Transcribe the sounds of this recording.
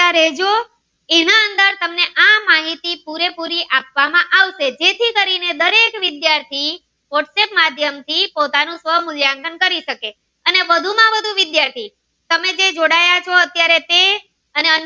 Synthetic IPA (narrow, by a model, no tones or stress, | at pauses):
aɾɛd͡ʒo | enaənd̪əɾt̪əmneʔamaɦit̪ipuɾepuɾiʔapʋamãʔaʋʃed͡ʒet̪ʰikəɾined̪əɾekʋɪd̪jaɾt̪ʰi | ʋɔʈsepmad̪ʱjəmt̪ʰipot̪anũsʋəɦmʊljãŋɡənkəɾiʃəke | ənebəd̪ʱumãbəd̪ʱuʋɪd̪jaɾt̪ʰi | t̪əmed͡ʒed͡ʒoɽajat͡ʃʰɔət̪jaɾet̪e | əneə